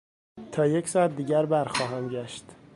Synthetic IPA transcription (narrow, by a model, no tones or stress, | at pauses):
t̪ʰɒːje̞csɒːæt̪̚d̪iːɟæɾbæɾxɒːɦænɟæʃt̪